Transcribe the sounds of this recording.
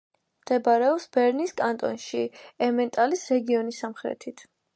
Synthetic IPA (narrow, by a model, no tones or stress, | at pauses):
md̪̥ɛbaɾɛɔpsbɛɾniskʼant̪ʼɔ̰nʃiɛmɛnt̪ʼalisɾɛɡiɔnisːamχɾɛ̰t̪ʰit̪ʰ